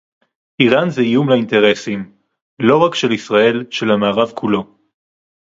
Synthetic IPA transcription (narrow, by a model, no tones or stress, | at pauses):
ʔiʁanzeijumlainte̞ʁe̞sim | lo̞ʁakʃe̞lisʁae̞lʃe̞lhamaːʁavkʰulo̞